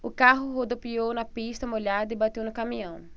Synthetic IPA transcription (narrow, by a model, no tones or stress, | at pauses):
ʊkaɦʊɦod̪opiownɐpist̪ɐmoʎad̪ɐibat̪ewnʊkamĩɐ̃w̃